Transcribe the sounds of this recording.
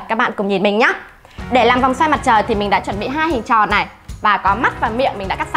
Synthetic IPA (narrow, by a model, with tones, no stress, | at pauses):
t̚kaː˦˥k̚ɓa̰ː˧˨kʊ˨˧˩ŋ͡mɲi˨˩nmï˨˩ŋɲa˧˦ | ɗe˧˩laː˨˩mva˨˩wŋ͡mswaː˧jma˨˩t̚t͡ɕəː˨˩jt̪ʰi˨˩mï˨˩ɗa̰ː˧˥t͡ɕwə˧˩nɓḭ˧˨ɦaː˧jhï˨˩ŋt͡ɕɔ̰˨˩na˨˩jvaː˨˩kɔ˨˦ma˦˥t̚vaː˨˩mḭ˧˨əŋmi˨˩ŋ̟ɗa̰˧˥ka˦˥˧